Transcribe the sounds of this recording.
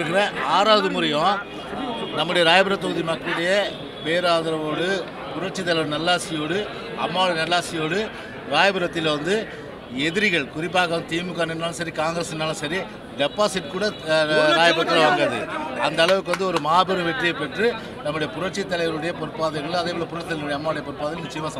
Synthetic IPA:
ɯkɪɾẽːaːɾaːðɯmʊɾɐjõ | nɐmːɯɽɐjɐɾaːjɐbɯɾɐt̪ːɐɣɯðimɐkːɐɭɯɽɐjɐ | ʋeːɾaːðɐɾɐʋoːɽɯ | pʊɾɐʈ̚t͡ʃɪt̪̬ːɐlɐɪʋɐɾnɐlːaːsɪjoːɽɯ | ɐmːaːʋɐɽɯnɐlːaːsɪjoːɽɯ | ɾaːjɐbɯɾɐt̪ːɪlʋɐnd̪ɯ | ɛðɪɾɪɣɐɭkʊɾɪp̬ːaːɣɐʋɐnɯt̪iːmɯkːaːnɪnːaːlɯ̃sɐɾikaːŋɡɐɾɐsɪnːaːlɯ̃sɐɾi | ɖɛpːaːsɪʈːkuːɽɐɾaːjɐbɾɐt̪ːɐɾɐʋɐːŋɡɐðɯ̰ɐnd̪ɐːɭɐʋɯk̬ːʋɐnd̪ɯɔɾɯmaːbɯɾɐ̃ʋɛʈrijɐpɛʈrɯ | nɐmːɯɽɐjɐpʊɾɐʈt͡ʃːɪt̪ːɐlɐɪʋɐɭɯɽɐjɐpɔɾɯpːaːðɐŋɡɐɭɯ̃ɐðeʋɐɭɐpʊɾɐt̪ːɐlɐɽɐjɐmːaːʋɯɽjɐpɔɾɯpːaːðɐɪjlmʊt͡ʃːɪjɐmãːsɐ

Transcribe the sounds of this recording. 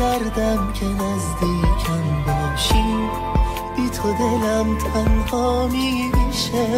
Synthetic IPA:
æɾd̪æmcʰenæzd̪iːcʰæmb̪ɒʃiː | bit̪ʰod̪e̞læmt̪ʰænhɒːmiːbeʃe

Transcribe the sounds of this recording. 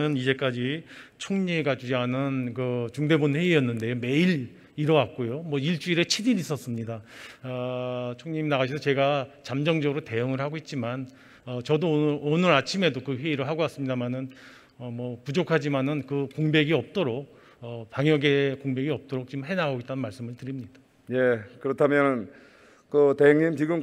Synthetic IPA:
ɯnid͡ʑe̞k͈ad͡ʑit͡ɕʰoŋɲiɡad͡ʑud͡ʑianɯnkɯt͡ɕuŋde̞bunɸe̞ijʌnːɯnde̞jome̞iɾ | iɾʌwak̚k͈ojomwʌiɭt͡ɕ͈uiɾe̞t͡ɕʰidinis͈ʌs͈ɯmɲidaʌt͡ɕʰoŋɲiminaɡaɕʰisʰʌt͡ɕe̞ɡat͡ɕamd͡ʑʌŋd͡ʑʌɡɯɾote̞jɯŋɯɭhaɡoit̚t͡ɕ͈iman | ʌt͡ɕʌdoonɯɾat͡ɕʰime̞dokɯɸɥeiɾɯɭɦaɡoas͈ɯmɲidamanɯn | ʌmwʌpud͡ʑokʰad͡ʑimanɯnkɯkoŋbe̞ɡiʌp̚t͈oɾok̚ | ʌpaŋjʌɡe̞koŋbe̞ɡiʌp̚t͈oɾok̚t͡ɕ͈imɦe̞naɡoit͈anɯnmaɭs͈ɯmɯɭtɯɾimɲida | je̞kɯɾʌtʰamjʌn | kɯteɦeŋɲimt͡ɕiɡɯm

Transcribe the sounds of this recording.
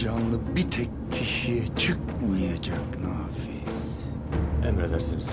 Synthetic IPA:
d͡ʒanlˠɯbit̪ʰɛcʰːiʃijɛt͡ʃʰɯkmujjad͡ʒaknaːfis | ɛmed̪æɾsinis

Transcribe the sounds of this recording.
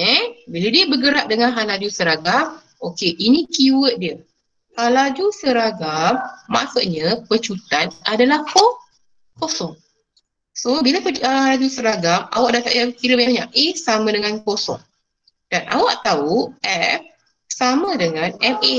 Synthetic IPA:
ɛbiladiəbəɡəɾaʔ̚dəŋanɦalad͡ʒusəɾaɡam | okeʔinĩkiwət̪̚diə | halad͡ʒusəɾaɡamːa̰suʔɲapət͡ʃut̪anadalahko | kosɔŋ | sobilapəaalad͡ʒusəɾaɡama̰waʔ̚dat̪aʔakiɾəbaɲaɲaʔesamə̃dəŋankosɔ̰ŋ | d̥anʔa̰waʔt̪auʔɛf | samə̃dəŋãnɛme

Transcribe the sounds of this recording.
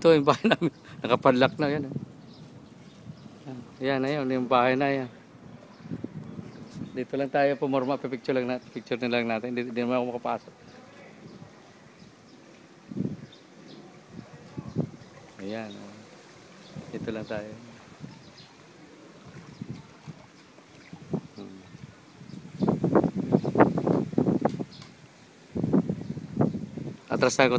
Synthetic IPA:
t̪ojʊŋbaːhajnamɪnnɐkɐpad̪lak̚najana | ajanajanjʊŋbaːhajnaja | d̪it̪olaŋt̪aːjopomoɾmaʔpɛpɪk̚t͡ʃʊlaŋnapɪk̚t͡ʃʊɾnɪlaŋnaːt̪ɪnd̪id̪inɐmanakomɐkɐpaːsoʔ̚ | ijana | it̪ulaŋsajan | a̰t̪ɾasaku

